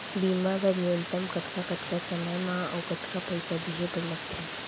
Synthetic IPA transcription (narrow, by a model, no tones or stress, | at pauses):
bimabaɾont̪əmkət̪ʰkakət̪kasəməjmãə̰wkət̪kapəjsadiɦebəɾləkt̪ʰe